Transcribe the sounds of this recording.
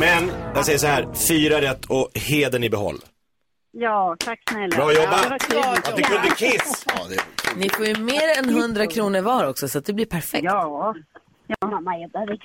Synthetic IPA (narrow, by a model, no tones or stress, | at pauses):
mɛnjaɡsɛjəʂ̬ɔhæːɾfyːɾaɾɛt̪ːɔheːd̪əɳɪbɛɦɔ̰lː | jɑːt̪ʰakːsnɛlːɾɑːjɔbːaat̪d̪ɛkʰɵnəkʰɪs | nɪfoːjɵmeːɾɛnɦɵnd̪ɾakʰɾuːnəɾvɑːɾɔksɔsat̪̚d̪ɛblɪɾpʰæɾfɛkː | jma